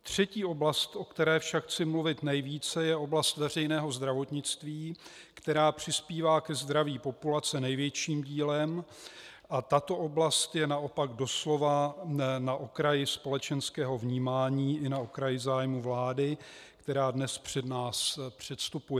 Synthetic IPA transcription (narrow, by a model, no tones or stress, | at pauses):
t̪r̝̥ɛciːo̞blast̪ʔo̞kt̪ɛɾɛːfʃakxt͡sɪmluvɪt̪nɛjviːt͡sɛjɛo̞blast̪vɛr̝ɛjnɛːɦo̞zd̪ɾavo̞t̪ɲɪt͡st̪viː | kt̪ɛɾaːpr̥ɪspiːvaːkɛzd̪ɾaviːpo̞pulat͡sɛnɛjvjɛt͡ʃiːmɟiːlɛm | ʔat̪at̪o̞ʔo̞blast̪jɛnaʔo̞paɡdo̞slo̞vanaʔokɾajɪspo̞lɛt͡ʃɛnskɛːɦo̞vɲiːmaːɲiːʔɪnaokɾajɪzaːjmuvlaːdɪkt̪ɛɾaːdnɛspr̝̥ɛdnaːspr̝̥ɛt̪st̪upujɛ